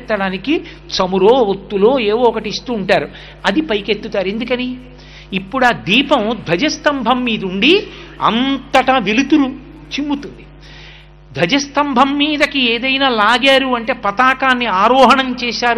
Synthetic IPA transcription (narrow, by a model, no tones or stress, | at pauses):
ʈ̪ːɐɽaːniki | t͡ʃɐmuɾoːʋot̪ːulo̞ːeːʋoːɔkɐʈiist̪uːɳʈaːɾu | ɐd̪ipɐjket̪ːut̪aːɾe̞nd̪ukɐniː | pːuɽaːd̪iːpɐmd̪ʱɐd͡ʒɐst̪ɐmbʱɐmːiːd̪ɐuɳɖiɐ̰nt̪ɐʈɐʋelut̪uɾu | t͡ʃimːut̪und̪i | d̪ʱɐd͡ʒɐst̪ɐmbʱɐmːiːd̪ɐkieːd̪ɐjnaːlaːɡaːɾuɐɳʈe̞ːpɐt̪aːkaːnːiaːɾɔːɦɐɳɐmt͡ʃɛːʃaːɾu